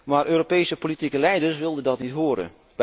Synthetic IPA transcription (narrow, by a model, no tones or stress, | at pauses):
marøːɾopeːsəpolitikəlɛjdəsʋɪlˠdəndɔtnitɦuəɾə̰ | b̥